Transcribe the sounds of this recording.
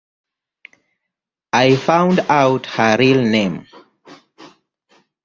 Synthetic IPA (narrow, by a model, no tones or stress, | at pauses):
ajfãw̃ndawthəɹilnẽm